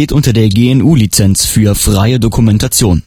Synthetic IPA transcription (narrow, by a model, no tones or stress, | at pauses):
eːtʔʊntɐdeːɐɡeːɛnʔuːlit͡sɛnsfyːɐfʁ̥aɪədokʰumɛntat͡sjoːn